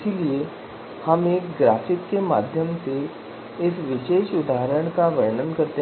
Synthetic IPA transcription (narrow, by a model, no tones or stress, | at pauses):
silie | hɐmeːkɡɾaːfɪkːema̰ːd̪ʱjəmse | ɪsʋɪʃeːʃʊd̪ʱaːɦɾəɽ̃kaʋɐjɳənkɐɾt̪e